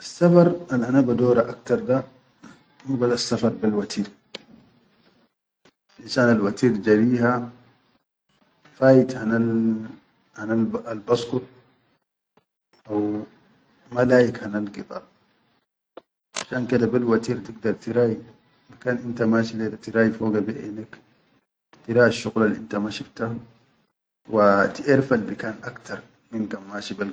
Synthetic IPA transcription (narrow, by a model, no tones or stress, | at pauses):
ʔasːafɑɾˤalʔanaːbad̪oːɾaʔakt̪ɑɾˤd̪a | muːbad̪aasːafɑɾˤbilwat̪ʰiːɾ | ʔinsaːnalwat̪iːɾd͡ʒaɾiːha | faːjit̪hana | hanalalbɑskut̪ | ʔaw | malaːʔikhanalɡit̪ˤɑ̰ːɾˤ | ʔaʃaːnkid̪abilwat̪iːɾt̪iɡ̚d̪ɑɾˤt̪iɾaːʔi | makaːnʔint̪amaːʃiledat̪iɾaːʔifoːɡabiʔḛnːak | t̪iɾaːʔaʃːuɣlalʔḭnt̪amaʃift̪a | wat̪iʔiɾfalbikaːnʔakt̪ɑɾˤ | minkamːaːʃibal